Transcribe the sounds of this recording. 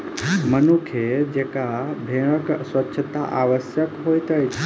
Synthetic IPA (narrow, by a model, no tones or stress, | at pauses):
mənukʰed͡ʒekabʱeɭ̃əkswətːʃʰət̪a̰ʔa̰ʋəsjəkɦojt̪əjt̪ʰ